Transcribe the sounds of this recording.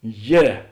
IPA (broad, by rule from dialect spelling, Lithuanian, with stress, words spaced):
ˈjɛ